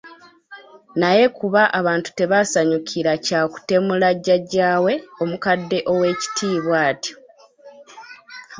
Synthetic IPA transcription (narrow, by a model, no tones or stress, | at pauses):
naje̞kuβaʔaβaːntu̥te̞βasaɲukʰiɾacaːku̥te̞mulaɟːaɟaːwe̞o̞mukadːe̞ʔo̞we̞ːci̥tʰiːβwaːtji̥